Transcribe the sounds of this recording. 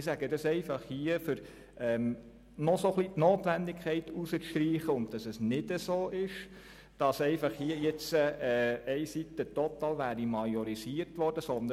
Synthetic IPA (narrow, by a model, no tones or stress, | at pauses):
ɪsæɡədɑsɛɪfɑχhiəfʏɾ | ʔɛm | nɔsoχlitnoːtʋændikʰχɛɪtusət͡sʃtɾiːχəʊnt̚d̥ɑsɛsnɪd̥əsoːʔɪʃ | d̥ɑsɛɪfɑχhiːəjɛt͡səɛːɛɪsit̪ːət̪ɔt̪ɑːlʋæːɾimɑjɔɾisiəɾtʋɔɾd̥əsɔnd̪ə